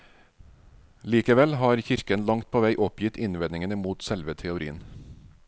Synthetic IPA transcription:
liːkəʋɛlhɑːɾçɪɾkənlɑŋt̪̚pʰoːʋæɪʔɔpjɪt̪ɪnʋɛnɪŋənəmuːt̪sɛlʋət̪ʰɛʊɾḭːən

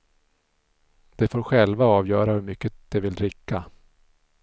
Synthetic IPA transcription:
d̪̥ɛfoːɾɧɛlvaɑːvjœːɾahɵɾmʏkːəd̪̥ɛvɪlɾɪkːa

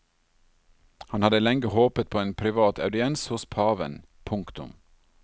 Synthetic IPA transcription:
hɑnhɑd̪əlɛŋɡəhoːpət̪̚pʰoːeːnpʰɾɪʋɑːt̪ɑʉd̪ɪɛnshʊspʰɑːʋə̰n | pʰʊŋkt̪ʊ̰m

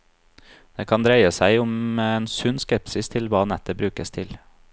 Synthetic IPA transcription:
d̪̥eːkʰɑnd̪ɾæɪəsæɪʊmeːnsʉnskɛpsɪst̪ʰɪlʋɑːnɛt̪əbɾʉːkəst̪ʰɪl

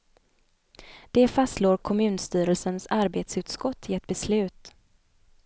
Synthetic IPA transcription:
d̪̥ɛfast̪loːɾkʰɔmʉ̟ːnst̪yːɾəlsənsaɾbeːt̪sʉ̟ːt̪skɔt̪ʰːɪɛt̪̚bɛslʉ̟ːt̪

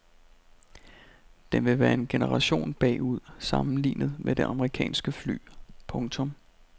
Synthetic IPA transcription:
d̥enʋe̝ʋæːɐe̝nɡ̥e̝nəʁɑ̈ɕo̝̰ːnb̥ɛ̰ːuð̞̰ˠsɑ̈mn̩lḭːnəð̞̩ˠmed̥e̝ʔɑ̈məʁikʰɛ̰ːnsɡ̥əfly̰ːpʰɔ̽ŋt͡sʰɔ̽m

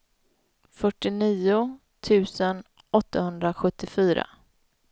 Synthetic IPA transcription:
fœʈːɪniːʊ | t̪ʰʉ̟ːsən | ʔɔt̪ːahɵnd̪ɾaɧɵt̪ːɪfyːɾa̰

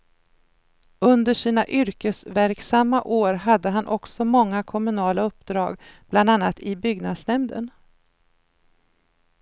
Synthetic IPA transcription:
ɵnd̪əʂiːnaʔʏɾkəsvæɾksamːaʔoːɾɦad̪ːəɦanʔɔksɔmɔŋːakʰɔmɵnɑːlaɵpːd̪ɾɑːɡb̥land̪anːat̪ʰɪbʏɡnad̪snɛmd̪ə̰n

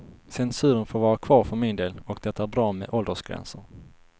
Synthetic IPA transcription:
sɛnsʉ̟ːɾənfoːɾvɑːɾakʰvɑːɾfœɾmɪnd̪eːlɔkd̪ɛt̪ːaæːɾbɾɑːmɛ̰ʔɔld̪əʂɡ̥ɾɛ̰nsəɾ

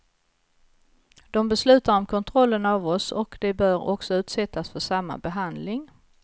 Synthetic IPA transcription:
d̪̥ɔmbɛslʉ̟ːt̪aɾɔmkʰɔnt̪ʰɾɔlːənavɔsɔ̰kd̪ɛbœɾɔ̰ksɔʉ̟ːt̪sɛt̪ːasfœʂamːa̰bɛɦand̪lɪŋ

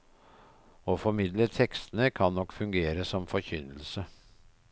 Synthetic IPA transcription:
oːfɔmɪd̪lət̪ʰɛkst̪ənəkʰɑnːɔkːfʉŋɡeːɾəsɔmfɔçʏnəlsə

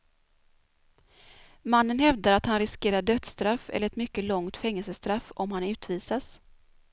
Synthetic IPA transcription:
manːənhɛvd̪aɾat̪hanɾɪskeːɾaɖœt̪st̪ɾafɛ̰ləɾɛt̪mʏkːəlɔŋt̪fɛŋːɛlsəst̪ɾafːɔmhanʉ̟ːt̪viːsas

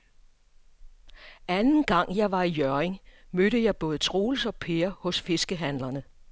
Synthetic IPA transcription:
ænn̩ɡ̥ɑ̈ŋ̰jɑ̈ɪʋɑ̈ijœɐeŋmøɾəjɑ̈ɪb̥ɔ̽ːð̞̩ˠt͡sʰʁo̝ːlsɒ̽pʰe̝ɐhɔ̽sfe̝sɡ̥əɦænlɐnə

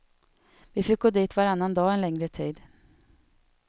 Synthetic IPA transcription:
vɪfɪk̚ɡoːd̪iːt̪vaɾanːand̪ɑːɛnlɛŋɾət̪ʰiːd̪

